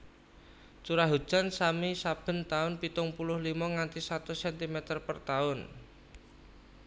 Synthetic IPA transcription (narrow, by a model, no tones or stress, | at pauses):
t͡ʃuɾaɦud̥ʒ̥ansamisab̥ə̤nt̪aʊnpit̪ʊŋpulʊhlimɔŋant̪isat̪usɛnt̪imet̪ərpərt̪aʊn